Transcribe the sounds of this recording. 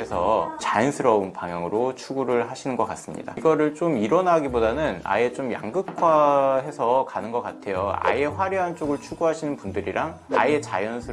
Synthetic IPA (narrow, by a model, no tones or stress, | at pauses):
esʰʌt͡ɕajʌnsʰɯɾʌunpaŋjʌŋɯɾot͡ɕʰuɡuɾɯɭɦaɕʰinɯnɡʌk͈as͈ɯmɲḭda̰iɡʌɾɯɭt͡ɕomiɾʌnɦaɡibodanɯna̰e̞t͡ɕomja̰ŋɡɯkʰwaɦe̞sʰʌkanɯnɡʌk͈atʰe̞joa̰je̞ɸwaɾiɦant͡ɕ͈oɡɯɭt͡ɕʰuɡuɦaɕʰinɯnpundɯɾiɾʔaŋa̰e̞t͡ɕajʌnsʰɯ